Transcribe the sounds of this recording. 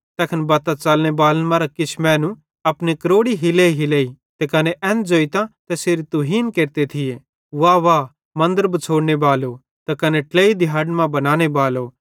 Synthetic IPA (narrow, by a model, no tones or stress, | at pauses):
t̪ɛːkʰənbaːt̪at͡ʃalnebaːlənmãːɾakɪt͡ʃʰmɛ̃ːnũ | ɐpnikɐɾoːɽiɦɪleiɦɪleːi | t̪ɛkɐneʔɛ̃ːnd͡zoːit̪ãt̪ɛseːɾit̪uɦiːnkeːɾt̪et̪ʰɪje | ʋaːʋaː | mɐ̃nd̪əɾbɐt͡sʰoːɽnebaːlo | t̪ɛkɐneʈleːid̪ɪɦaːɖmãbɐnãːɽ̃ebaːlo